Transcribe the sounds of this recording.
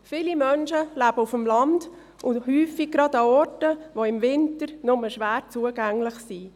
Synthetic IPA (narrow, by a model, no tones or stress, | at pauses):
fɪːlimœnʃəlæb̥əufəmlɑnd | ʔʊhyːfiɡ̚ɡɾɑdɑɔɾtəʋoɪmvɪntəɾnʊməʃʋæːɾt͡suəɡæŋlɪχsi